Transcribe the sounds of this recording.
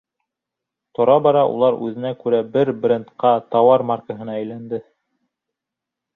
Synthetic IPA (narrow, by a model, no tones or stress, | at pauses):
t̪ŏɾɑbɑɾɑʔṵlˠɑɾʉ̰ðɘ̆nækʉɾæbɘɾbɾʲent̪qɑt̪ɑwɑɾmarkəɦɤ̆nɑæjlænd̪ɘ